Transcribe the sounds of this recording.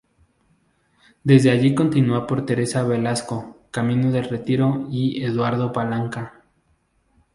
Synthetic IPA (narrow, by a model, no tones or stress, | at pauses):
d̪e̞zd̪eaʝiko̞nt̪inuapo̞ɾt̪e̞ɾe̞saβe̞lasko̞kamĩnoðe̞lre̞t̪iɾo̞ieðwaɾðo̞palaŋka